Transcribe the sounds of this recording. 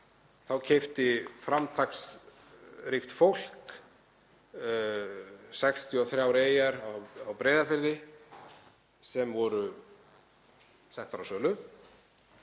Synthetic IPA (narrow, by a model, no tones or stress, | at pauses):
θawcʰeft̪ɪfɾamt̪ʰaks | ɾixt̪fowl̥k | sɛkst̪ʰjʏɔθɾjaːwɾeːjaɾawawpɾeːjðafɪɾðɪ | sɛmvɔɾʏ | sɛn̥t̪aɾawsœːlʏ